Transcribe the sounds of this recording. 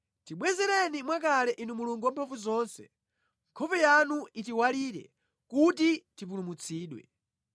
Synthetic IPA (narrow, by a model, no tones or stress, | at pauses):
tiɓwɛzɛɾɛnimwak̬alɛʔinumuluŋɡwampʰaɱvuzɔːnsɛ̰ | ŋkʰɔpɛjanuitiwaliːɾɛ̰ | kutitivulumut͡sʰiːɗwɛ̰